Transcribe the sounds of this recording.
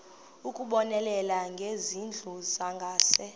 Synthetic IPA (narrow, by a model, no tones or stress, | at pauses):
ukʼuɓɔnɛlɛlaŋɡʱezind͡ɮʱuzaŋɡʱaːsɛ